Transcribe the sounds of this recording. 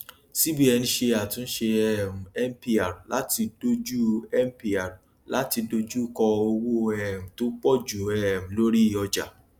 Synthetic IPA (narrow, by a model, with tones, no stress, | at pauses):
si˦bi˦ɛ˧nĩ˧ʃe˧a˨tũ˨˧n̩˦ʃe˧ɛ˨m̩̃˨ɛ˦m̩˦pi˧a˨ɾu˨lʔa̰˦ti˧do˧d͡ʒu˦ɛ˦m̩˦pi˧a˨ɾu˨ | la˨˦ti˧do˧d͡ʒu˦kɔ˧o˧wo˦ɛ˦˨m̩̃˨to˦k͡pɔ˦˨d͡ʒu˨ɛ˨m̩̃˨lo˦ɾi˦˨ɔ˧d͡ʒa̰˨